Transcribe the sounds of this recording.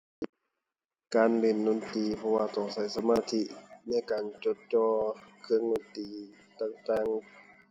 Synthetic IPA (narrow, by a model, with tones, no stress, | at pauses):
kaː˨nle˧˩˨nːo˧˨nt̪iː˨˩pʰɔ˧waː˧t̪ɔ˧˩ŋsa˧˦jsa˧maː˧˥˨t̪ʰi˧na˧˥˨jkaː˨nt͡ɕo˧˦t̪̚t͡ɕɔː˧kʰɯ˧əŋno˧˩t̪iː˨˩ | t̪aː˧˩ŋt̪aː˧˥˨ŋ